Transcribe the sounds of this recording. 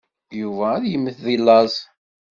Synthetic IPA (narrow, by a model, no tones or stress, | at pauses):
juvæːðjəmːəθðilːɑzˤ